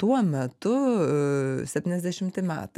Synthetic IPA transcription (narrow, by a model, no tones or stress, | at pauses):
t̪uɔmʲɛt̪ʊ | sʲɛpʲtʲiːnʲɛzd̪ʲɛʃʲɪmʲt̪ʲɪmʲæ̰ːt̪ɐ